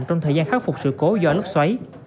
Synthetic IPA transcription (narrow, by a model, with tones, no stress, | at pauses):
mt͡ɕɔ˧wŋ͡mt̪ʰəː˨˩jzaː˧nxaː˦˥k̚fʊ˨˩k͡p̚sɨ̰˧˨ko˨˦zɔ̰˧˩lə˦˥p̚swa˨˦j